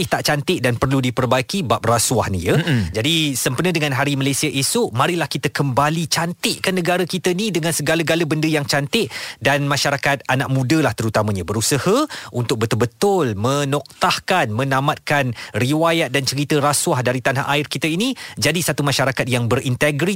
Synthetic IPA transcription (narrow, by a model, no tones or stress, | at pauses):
ɪht̪aʔt͡ʃant̪ɪʔ̚danpərludipərbaikibap̚rasuwahnijəd͡ʒadisəmpənə̃dəŋanɦaɾiməlajsiaʔesʊʔmaɾɪhlahkit̪əkəmbalit͡ʃant̪ɪʔkanːəɡaɾakit̪əinĩdəŋansəɡaləɡaləbəndəjaŋt͡ʃant̪ɪʔdanmaʃaɾakat̪̚anaʔ̚mũdəlaht̪əɾut̪amãɲabəɾusəhəʔunt̪ʊk̚bət̪ʊlbət̪ʊlmənɔk̚t̪ahkanmə̃namat̪̚kanriwajat̪̚dant͡ʃəɾit̪əɾaswahdaɾit̪anɦa̰ʔaɪrkit̪əinid͡ʒadisat̪umãʃaɾakat̪̚jaŋbəɾʔint̪əɡɾi